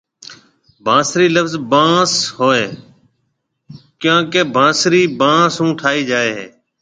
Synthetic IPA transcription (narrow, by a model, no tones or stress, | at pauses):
bʱãːsɾiːləfzbãːshoːeː | kjãːkeːbʱãːsɾiːbãːsɦũːʈʰaːiːd͡ʒaːeːɦeː